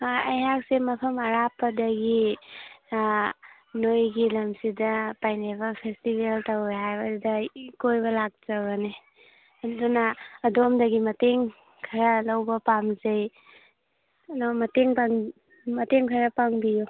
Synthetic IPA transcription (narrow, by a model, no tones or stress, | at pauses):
ɐjɦak̚semɐpʰɐmɐɾapːɐdɐɡi | nojɡilɐmsidɐpajnebɐpʰestibeltaweɦajbaddɐkojbɐlak̚t͡ʃaɡɐne | ɐdunaːdomdɐɡimɐteŋ | kʰaɾalawbɐpamzej | dɔmɐteŋpaŋ | mɐteŋkʰaɾapaŋbiju